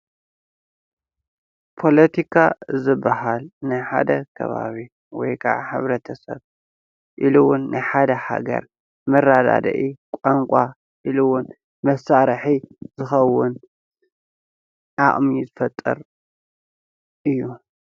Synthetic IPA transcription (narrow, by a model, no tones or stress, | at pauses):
pʰo̞lɐt̪ʰikʰazɨbːaɦalnɨħa̰d̪ɐkʰɐ̰βa̰βi | wɔ̰jkʰa̰ʕħɨ̰βɾɐt̪ʰɐsɐβ | ʔiluwʊnːɨħad̪ɐha̰ɡɐ̰ɾ | mɐrad̪a̰d̪ɐ̰ʔikʼaŋkʷʼa | ʔiluwʊn | mɐsaɾħizɨxɐwːʊn | ʕaχʼmizɨfɐt̪ʼːɐ̰ɾ | ʔɨjːu